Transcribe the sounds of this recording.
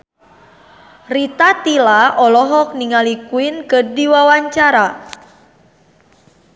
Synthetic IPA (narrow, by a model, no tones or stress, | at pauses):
rit̪at̪ilaɔlɔɦɔk̚niŋalikuɪnkədiwawaɲt͡ʃaɾa